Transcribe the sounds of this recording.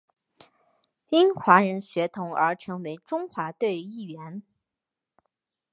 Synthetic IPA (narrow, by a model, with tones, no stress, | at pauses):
i˥ŋnxwa˧˥ɻə˧˥nɕɥɛ˧˥t̪ʰʊ˧˥ŋə̰˞˧˥ʈ͡ʂʰɤ˧˥ŋwe˧˥ɪʈ͡ʂʊ˥ŋxwa˧˥t̪we˥˧ɪi˥˩ɥɛ˧˥n